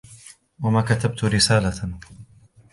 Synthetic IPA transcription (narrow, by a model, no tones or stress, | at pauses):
wamaːkat̪ab̚t̪ʊɾɪsaːla